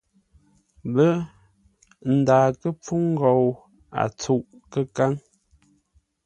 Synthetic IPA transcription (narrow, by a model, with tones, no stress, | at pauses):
bə˦ | n̩˨daː˨kə˦p͡fu˦ŋ̩˦ɡɔ˨w | a̰˨t͡su˦˨ʔkə˦ka˦ŋ